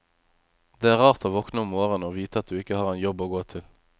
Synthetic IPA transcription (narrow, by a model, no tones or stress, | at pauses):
d̪̥eːæːʁɑːʁt̪ʰoːʋɔknəʊmoːʁənoːʋiːt̪əɑt̪̚d̪ʉːɪkəhɑːʁɛɪnjɔboːɡoːt̪ʰɪl